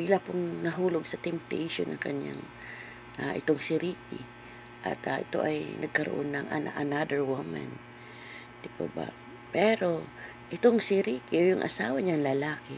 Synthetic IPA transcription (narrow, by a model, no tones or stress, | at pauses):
ʔɪlapʊŋnɐɦuːloɡsɐt̪ɛmp̚t̪ɛjʃonʔɐŋkɐɲja̰ŋ | ʔaʔɪt̪oŋsɪɾiːkɪ̰ | ʔɐ̰t̪aʔɪ̰t̪o̞̰ʔɐjnɐɡ̚kɐɾoʔo̰nːɐŋʔɐ̰na̰ʔɐnad̪əɹwʊma̰n | d̪ɪpo̰ba̰ | pɛɾo̞ | ʔɪt̪oŋsɪɾiːkɪʔojʊŋʔɐ̰saːwɐɲaŋlɐlaːkɪ